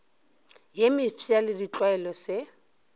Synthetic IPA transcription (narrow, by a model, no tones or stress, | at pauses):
jemɪfʰialɪdit͡ɬʼwaɛlɔsɪ